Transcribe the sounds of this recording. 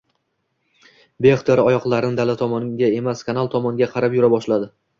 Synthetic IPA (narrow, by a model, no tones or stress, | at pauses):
beχt̪ʰeɾɒjɒqlˠaɾɪnɪd̪alat̪ʰɒmɒnɡʲae̞maskʰanalˠt̪ʰɒmɒnɡʲaqʰɑɾapjʊɾabɒʃlad̪ɪ